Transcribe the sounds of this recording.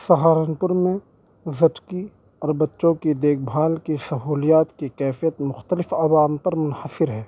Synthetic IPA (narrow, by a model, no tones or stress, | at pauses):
sɐɦaːɾənpʊɾmẽ | zɐʈki | ɔːɾbɐtːʃõkid̪eːk̚ʰbʱaːlkisɐɦuːlijaːt̪kikɛːfijət̪mʊxt̪əlɪfaːwaːmpɐɾmʊnhəsɪɾɦɛː